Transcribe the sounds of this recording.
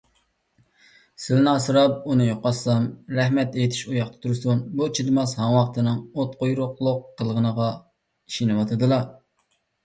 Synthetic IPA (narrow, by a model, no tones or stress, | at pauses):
sɪlnɨɑsɨɾɑp̚unɨjoqɑsɑmɾɛɦmɛt̪ejt̪ʰɪ̥ʃujɑqt̪ʰɑ̥t̪ʰuɾsunbut͡ʃʰid̪ɨmɑshɑŋwɑqt̪ɨnɨŋot̪̚qojɾʊqlˠʊqːəlˠʁənəʁɑ | iʃinɨwɑt̪ʰɨd̪ɨlˠɑ